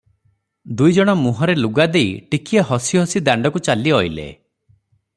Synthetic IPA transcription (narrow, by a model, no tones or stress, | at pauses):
d̪ujd͡ʒɔɽ̃ɔmuɦɔɾeluɡad̪ejʈikʰiehɔsiɦɔsid̪aɳɖɔkut͡ʃaliɔilḛ